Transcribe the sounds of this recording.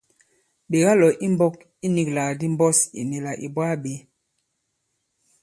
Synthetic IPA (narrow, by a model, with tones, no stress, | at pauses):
ɓe˨ɣa˦lɔ˨ʔi˦mbɔ˦k | i˦ni˨kla˨di˦m˦bɔ˦sḭ˨ni˨la˨ʔḭ˨bwa˦ɓe˨˦